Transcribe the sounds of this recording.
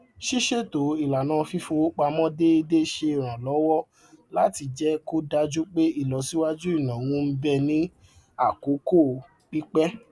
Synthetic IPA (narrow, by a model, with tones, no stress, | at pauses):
ʃi˦ʃe˦to˨i˨la˨nã˨˦˧fi˦fo˧˦k͡pa˧mɔ̃˦de˦i˧de˦ʃe˧i˨ɾ̃ã˨lɔ˨˦wɔ˦ | la˦ti˧d͡ʒɛ˦ko˦da˧d͡ʒu˦k͡pe˦i˦˨lɔ˨˦si˦wa˦d͡ʒu˦i˦˨nã˨wũ˧˦m̩˦bɛ˧nĩ˦ | a˦˨ko˨˦ko˦˨ | k͡pi˦k͡pɛ˦